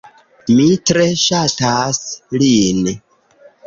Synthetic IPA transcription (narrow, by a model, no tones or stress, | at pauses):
mitɾe̞ʃataslin